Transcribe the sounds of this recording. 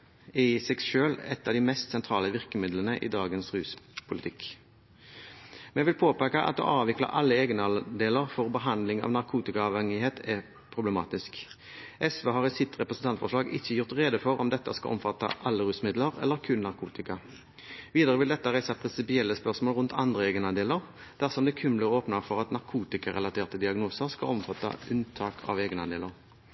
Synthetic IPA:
ɪsɛɡʃøːlɛt̪ːɑʋd̪ɪmɛst̪sɛnt̪ʰɾɑːləʋɪʁkəmɪd̪lənəʔḭːd̪ɑːɡənsʁʉːspʰʊlɪt̪ʰɪk | mɛʋɪlpʰoːpækɑʔɑ̰t̪̚d̪ṵʔɑːʋɪklə̰ʔɑlːəeːɡnəɑd̪eːləʁfɔʁbəɦɑnd̪lɪŋɑ̰ʋnɑʁkʰuːt̪ɪkɑɑʋhɛŋɪheːt̪ʰɛ | pʰɾʊblɛmɑ̰ːt̪ɪsk | ʔɛsʋøɦɑʁɪsɪt̪ʁɛpɾəsənt̪ɑnt̪fɔʂlɑːɡɪçːəjʊʁt̪ʁeːd̪əfɔɾɔ̰md̪ɛt̪ːəskɑ̰ʔɔ̰mfɑt̪ːɑ̰ʔɑlːəɾʉːsmɪd̪ləʁɛ̰lːəʁkʰʉnnɑʁkʰuːt̪ɪkɑ | ʋiːd̪əʁəʋɪld̪ɛt̪ːəʁæɪsɑpʰʁɪnsɪpɪɛlːəspœʁsmoːlʁʉnt̪ʰɑ̰nd̪ʁəeːɡənɑnd̪eːləʁ | d̪̥æʁsɔmd̪ɛːkʰʉmləʁəoːpnəʁfɔʁɑt̪nɑʁkʰuːt̪ɪkɑʁɛlɑt̪ʰeːʁt̪əd̪ɪɑɡnuːsəʁskɑlɔmfɑt̪ːɑ̰ʔʉnt̪ʰɑːkʰɑ̰ʋeːɡənɑnd̪ḛːləʁ

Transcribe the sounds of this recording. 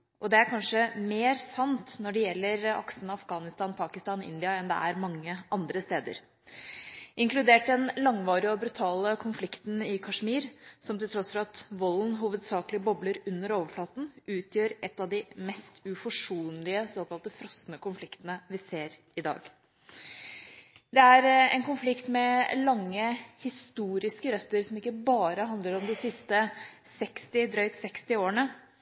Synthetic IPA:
ʔɔd̪ɛæɾkʰɑnʂəmeːɾsɑnt̪nɔɖɛjɛlːəɾɑ̰ksənɑfɡɑːnɪst̪ɑːnpʰɑːkɪst̪ɑːnɪ̰nd̪ɪɑɛnd̪ɛ̰æɾmɑŋːəʔɑnd̪ɾəst̪eːd̪ə̰ɾ | ʔɪŋklʉd̪eːʈ̚d̪ɛnlɑŋʋɑːɾɪɔbɾʉt̪ʰɑːləkʰʊnflɪkt̪n̩ɪkʰɑʂmiːɾsɔmt̪ɪlt̪ɾɔsfɔɾɑt̪ʋɔlnɦuːʋəd̪sɑːklɪbɔbləɾʉnːəɾoːʋəflɑːt̪n̩ʉːt̪ʰjøːɾʔɛt̪ːɑʋd̪ɪmɛst̪ʉfɔʂuːnlɪəsoːkɑlt̪əfɾɔsnəkʊnflɪkt̪ənəʋɪseːɾ | ɪd̪ɑ̰ːɡ | d̪ɛæɾɛ̰nkʊnflɪkt̪mɛlɑŋːəhɪst̪uːɾɪskəɾœt̪ːəɾsɔmɪkːəbɑːɾəɦɑnd̪ləɾɔmd̪ɪsɪst̪ə | sɛkst̪ɪd̪ɾœʏt̪sɛkst̪ɪoːəɳə

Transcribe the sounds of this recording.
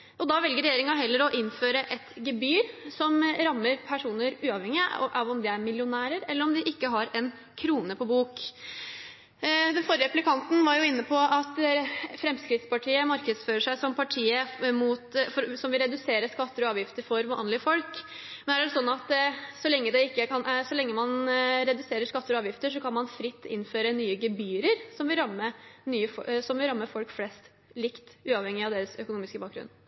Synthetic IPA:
ʔɔd̪ɑːʋɛlɡəɾɛjeːɾɪŋɑɦɛlːəɾɔʔɪnːføːɾəʔɛt̪ɡɛbyːɾsɔmɾɑmːəɾpʰæʂuːnəɾʉːɑʋɛŋɪʔɑʋɔmd̪ɪæɾmɪljʊnæːɾəɾɛlːəɾɔmd̪ɪʔɪkːəɦɑɾɛn | kʰɾuːnəpʰɔbuːk | d̪ɛnfɔɾəɾɛplɪkʰɑnt̪n̩ʋɑɾjʊɪnːəpʰɔɑt̪fɾɛmskɾɪt̪spɑʈʰiːəmɑɾkəd̪sføːɾəʂæɪsɔmpʰɑʈʰiːəmut̪fɔɾsɔmʋɪɾɛd̪ʉseːɾəʂkɑt̪ːəɾɔɑːʋjɪft̪əɾfɔɾmɑ̰nlɪəfɔlkmɛnæɖɛsɔnːɑt̪sɔlɛŋːəd̪ɛɪkːəkʰɑnʔsɔlɛŋːəmɑnɾɛd̪ʉseːɾəʂkɑt̪ːəɾɔɑːʋjɪft̪əʂɔkʰɑnmɑnfɾɪt̪ːɪ̰nføːɾənyːəɡɛbyːɾəɾsɔmʋɪɾɑmːənyːəfɔsɔmʋɪɾɑmːəfɔlkflɛst̪ | lɪkt̪ʉːɑʋhɛŋːɪɑʋd̪eːɾəsœkʊnuːmɪskəbɑːk̚ɡɾʉ̰nː

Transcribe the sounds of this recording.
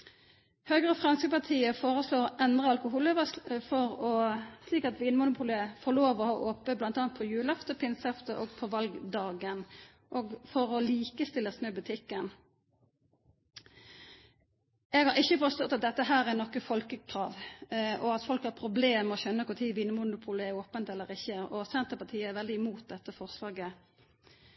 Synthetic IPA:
høːɡʁəfʁɑnskəpɑʁt̪ʰiːəfoːʁəsloːʁɔʔɛnd̪ʁəɑlkʊɦuːlɪʋəfɔɾɔsliːkɑt̪ʋiːnmʊnʊpʰʊːləfɔloːʋɔhɑʔoːpəblɑnt̪ɑːnt̪̚pʰɔjʉːlɑft̪əpʰɪnsɑft̪əʔoːɡpʰɔʋɑlɡd̪ɑːɡən | ʔɔːɡfɔɾɔliːkəst̪ɪlːəsnøːbʉt̪ʰɪkːən | ɛɡhɑɾʁɪçːəfɔst̪ɔt̪ːɑt̪̚d̪ɛt̪ːəɦæːɾɛʁnɔkːəfɔlkəkʰɾɑːʋʔɔɑt̪fɔlkhɑɾpʰɾʊbleːməɔçœnːəkʊt̪ʰiːʋiːnəmʊnʊpʰuːləɛɾoːpənt̪ɛlːəɾɪçːəɔsɛnt̪əpɑtʰiːəæɾʋɛld̪ɪɪmuːt̪̚d̪ɛt̪ːəfɔʁslɑːɡə

